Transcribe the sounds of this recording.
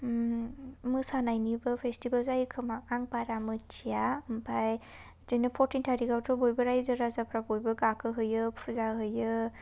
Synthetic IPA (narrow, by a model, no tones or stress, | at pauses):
mɯsanajnibɯpʰestibalzajkʰɯmaaŋpaɾamɯt͡ʃijampʰaj | zɯnɯpʰɔɾtintʰaɾiɡawtʰɔbojbɯɾajzɯɾazapʰɾabojbɯɡakʰɯɦɯjɯpʰuzaɦɯjɯ